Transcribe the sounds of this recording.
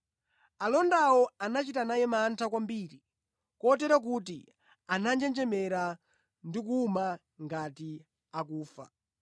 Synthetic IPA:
alɔndawɔanat͡ʃitanajɛmaːntʰakwambiːɾi | kɔt̬ɛɾak̬utḭ | anand͡ʒɛnd͡ʒɛmɛɾa | ndik̬uːma | ŋɡati | akuːfa̰

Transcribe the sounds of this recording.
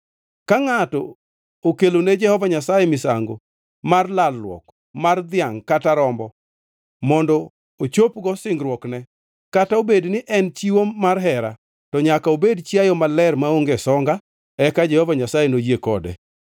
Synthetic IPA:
kaŋatɔ̰ | okeloned͡ʒɛhɔvaɲasajɛmɪsa̰ŋɡo̰ | marlalːwɔ̰k | mard̪ɪjaŋkataɾɔmbɔ | mɔndɔ | ot͡ʃopɡɔsɪŋɡɾwɔknɛ | kataobednɪʔɛnt͡ʃiwomarɦɛɾa̰ | tɔɲakaobedt͡ʃjajɔmalɛrmaoŋɡesɔŋɡa | ɛkad͡ʒɛhɔvaɲasajenojekɔdɛ̰

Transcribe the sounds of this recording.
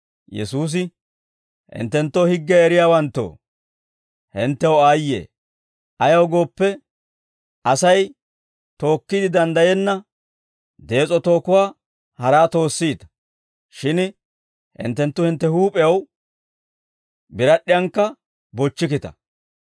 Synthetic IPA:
jɛ̰suːs̬ɪ | hɪ̰nt̪ːɛnt̪ːoːhɪɡːɛɛɾɪjaːwɐnt̪ːo̰ː | hɪnt̪ːɛwaːjːḛː | ʔɐjɐwɡo̞ːpːɛ | ɐsɐj | t̪o̞ːkːɪd̪ɪd̪ɐnd̪ɐjɛnːɐ | d̪e̞ːt͡sʼɔt̪o̞ːkʊwaː | hɐɾaːt̪o̞ːsːiːt̪ɐ̥ | ʃɪn | hɪ̰nt̪ːɛnt̪ːʊhɪnt̪ːɛhuːpʼɛjɐw | bɪɾɐɗːɪjɐŋkːɐ | bɔt͡ʃːɪkɪt̪ɐ̰

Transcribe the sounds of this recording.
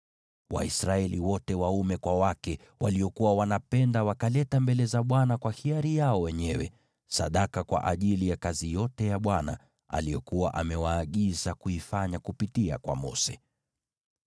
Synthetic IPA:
wa̰isɾaɛliwɔtɛwaumɛkwawakɛ | wa̰liɔkuwawanapɛndawakalɛtambɛlɛzaɓwanakwahiaɾijaɔwɛɲɛwɛ | saɗakakwa̰ʔaʄilijakazijɔtɛjaɓwana̰ | a̰lijɔkuwaʔamɛwaːɠizakuifaɲakupitia̰kwa̰mɔ̰sɛ

